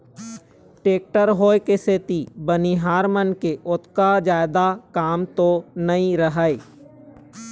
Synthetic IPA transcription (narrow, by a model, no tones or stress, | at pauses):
ʈeːk̚ʈəɾɦoːekeset̪ibəniɦaːɾmənkeʔʊt̪kad͡ʒaːɪd̪akaːmt̪onəĩɾəɦəi